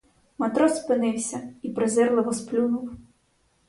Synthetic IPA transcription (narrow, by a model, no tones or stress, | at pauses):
met̪ɾɔspɪnɪwsʲɐipɾɪzɛrlˠɪʋɔsplʲunuw